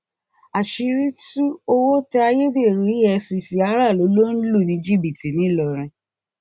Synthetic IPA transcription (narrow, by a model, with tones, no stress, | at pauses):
a˨ʃi˧ɾi˦tu˦o˧wo˦tɛ˦a˧je˦de˦˨ɾi˨˦ɛ˧si˧si˨a˧˦ɾa˦˨lo˨˦lo˦n̩˦lu˦˨nĩ˨˧˦d͡ʒi˦bi˨ti˨nĩ˨˦lɔ˨ɾ̃ĩ˧